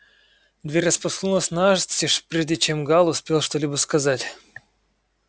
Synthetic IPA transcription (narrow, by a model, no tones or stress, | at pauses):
d̪vʲeɾʲəspɐslˠulˠəsʲnaʐsʲiʂpɾʲeʐdʲɪt͡ɕemɡalˠʊspʲe̞lˠʂt̪olʲibəskɐzatʲ